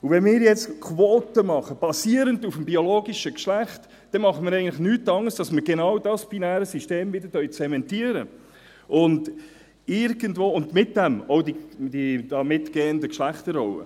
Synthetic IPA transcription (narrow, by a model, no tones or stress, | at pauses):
uvɛnmɪːɾjɛt͡skʰʋoːtəmɑχəb̥ɑsiːəɾəndufm̩bioloːɡiʃəkʃlæχt | d̥ɛmɑχəmɪɾɛɪɡəntlɪχnyːtːɑŋːəsd̥ɑsməɾɡenɑwdɑsb̥inæːɾəsiʃteːmvɪdəɾtœʏt͡sɛmɛntiːəɾə | ʔʊnd | ɪɾɡəndvoːʊndmɪt̚d̥æmɔwdid̥id̥ɑmɪtɡ̥ɛːəndəkʃlæχtəɾɔʊə̰